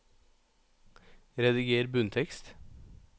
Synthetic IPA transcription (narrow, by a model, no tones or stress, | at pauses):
ɾɛd̪ɪɡeːɾbʉnt̪ʰɛkst̪